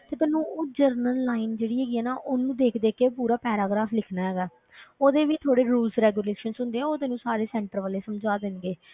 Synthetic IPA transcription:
t̪eːp̪ːnũːd͡ʒəɾnəlːaːind͡ʒeːɽiːɦɛːɡiːɛːnaːʔoːnũːd̪eːkʰd̪eːkepuːɾaːpɛːɾaːɡɾaːpʰlɪkʰnaːɦɛːɡaː | oːd̪eːʋɪt͡ʃt̪ʰoːɽeːɾuːlsɾɛːɡjuːleːʃənsʊ̃nd̪eːɛ̃ːoːd̪eːnũːsaːɾeːsɛ̃ːɳʈəɾʋaːleːsəmd͡ʒaːd̪ɪnɡeː

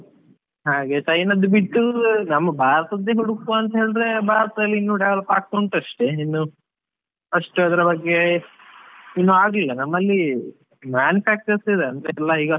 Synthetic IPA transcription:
ɦaːɡeʈɐjnɐd̪ubiʈːunɐmːɐbʱaːɾɐt̪ɐd̪ːeɦuɽukːuɐnt̪ɐɦe̞ːɭid̪ɾe̞bʱaːɾɐt̪ɐd̪ɐlːiinːuɖɐʋɐɭɐpaːɡ̚t̪oɳʈɐʂʈeinːu | ɐʂʈuɐd̪ɐɾɐbɐɡːe̞ | inːuaːɡilːɐnɐmːɐlːi | maːnjupʰæːk̚t͡ʃɐɾsid̪eɐnd̪ɾeɛlːɐɦiːɡɐ

